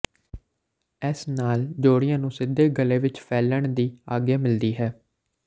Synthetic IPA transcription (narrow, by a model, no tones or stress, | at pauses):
ɛsnaːld͡ʒoːɽɪjãːnũːsɪd̪eːɡəleːʋɪt͡ʃpʰɛːləɳd̪iːaːɡeːmɪld̪iːɦɛː